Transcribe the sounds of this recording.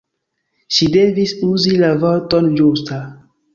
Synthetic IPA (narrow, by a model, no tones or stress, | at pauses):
ʃide̞visuzilavoɾtond͡ʒusta